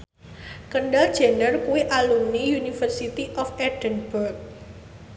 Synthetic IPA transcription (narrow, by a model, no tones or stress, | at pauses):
kəɳɖald̥ʒ̥e̤ndərkuwiʔalumnijunifərsit̪iʔɔfɛɖ̥ənb̥urk̚